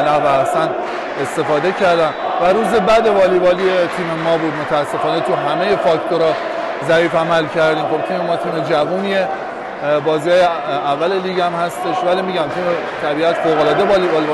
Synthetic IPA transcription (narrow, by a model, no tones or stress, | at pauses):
nævæsæn | est̪e̞fɒːd̪e̞cʰæɾd̪ænvæɾuːzebæd̪e̞vɒːlibɒːliet̪ʰiːmemɒːbuːd̪̚mot̪ʰææsːe̞fɒːnet̪ʰuɦæmejefɒːkt̪ʰoɾɒ | zæiːfæmælcʰæɾd̪iːmχo̞b̚t̪ʰiːmemɒːt̪ʰiːme̞d͡ʒævuːnie | bɒːziːhɒːjeævːæleliːɡæmhæst̪e̞ʃvælimiɟæmt̪ʰiːme | t̪ʰæbiːæt̪foɣo̞lɒːd̪eɒːlibɒːli